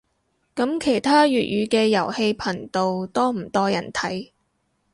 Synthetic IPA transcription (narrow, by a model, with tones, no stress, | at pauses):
kɐ˨˥mkʰe˨˩jt̪ʰaː˥ɥyː˨t̚ɥyː˨˧kɛː˧jɐ˨˩whe˧jpʰɐ˨˩nt̪o˨wt̪ɔː˥m̩˨˩t̪ɔː˥jɐ˨˩nt̪ʰɐ˨˥j